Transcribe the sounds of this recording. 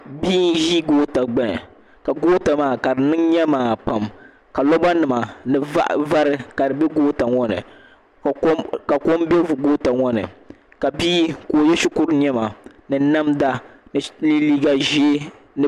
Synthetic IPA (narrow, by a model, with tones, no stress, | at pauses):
biː˦n˦ʒiː˦ɡoː˦ta˨ɡ͡bɛ˦˨ | ka˨ɡoː˦ta˨maː˨˦ka˨dɨ˨nɨ˦ŋɲɛ˦maː˨pa˨m | ka˨lɔ˦ba˦nɨ˨ma˨nɨ˨a˦ʔva˦ɾɨ˦ka˨dɨ˨bɛ˦ɡoː˦ta˨ŋɔ˦nɨ̰˨˦ | ka˨ko˦mbɛ˦vu˨ɡo˦ta˨ŋɔ˦nɨ̰˨ | ka˨biː˦ko˨jɛ˦ʃu˦kʊ˦ɾɲɛ˦ma˨ | nɨ˨na˦mda˦n˨li˦liː˦ɡa˨ʒe˦ | nɨ˨